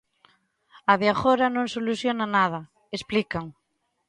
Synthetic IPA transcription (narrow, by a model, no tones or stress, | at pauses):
aðeaxoɾanõŋsoluθjonanað̞ɐ | esplikaŋ